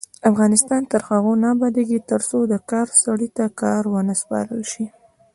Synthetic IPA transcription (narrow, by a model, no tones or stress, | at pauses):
afɣɑnɪst̪ɑnt̪əɾxaɣonɑbɑd̪eɡit̪əɾsod̪əkɑɾsaɽit̪akɑɾwənəspɑ̰ɾə̰lʃi